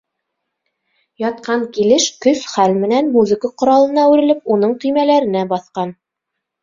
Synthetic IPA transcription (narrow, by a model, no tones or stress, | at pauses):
jɑt̪̚qɑɴkilɘʃkɵsχælmɘ̆nænmuzɘ̆kəqŏɾɑlˠɤ̆nɑʉɾɘ̆lɘp̚unɤɴqimælæɾɘ̆næbɑθqɑn